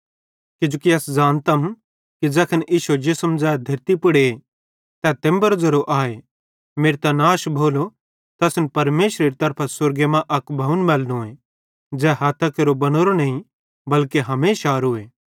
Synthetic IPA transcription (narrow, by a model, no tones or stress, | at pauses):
kɪd͡ʒukiɐsd͡ʒaːnt̪ɐm | kid͡ʒɛːkʰəniːʃud͡ʒesɐmd͡ʒaːjad̪ʱɐɾt̪ipʊɽe | t̪ɛt̪ẽmbɐɾzɐɾoʔaːe | meːɾt̪ãnaːʃbʱoːlo | t̪ɛːsnpɐɾmeːʃɾeɾit̪ɐɾpʰasʊɾɡemãʔɐkbʱɐunmɛːlnõe | d͡zɛːɦaːt̪ʰakeɾobɐñoːɾonɐɦĩ | bɐlkeɦɐmeːʃaːɾueː